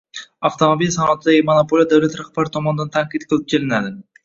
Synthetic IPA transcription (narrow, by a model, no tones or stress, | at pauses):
aft̪ʰomabilsanːt̪ʰɪd̪aɡʲɪmonopʰolʲˠjad̪awlat̪ɾahb̥aɾɪt̪ʰɒmɒnɪd̪ant̪ʰaŋqit̪̚qʰɨlˠɪp̚d͡ʒʰelɪnad̪ɪ